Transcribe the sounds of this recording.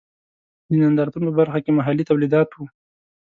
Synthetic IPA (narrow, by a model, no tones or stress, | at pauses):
d̪ənand̪ɑɾt̪unopəbaɾxakemaɦalit̪awlid̪ɑt̪wu